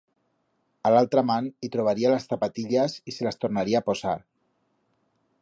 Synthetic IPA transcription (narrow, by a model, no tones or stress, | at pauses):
alalˠt̪ɾamanit̪ɾoβ̞aɾialasθapat̪iʎaziselast̪oɾnaɾiaːpozaɾ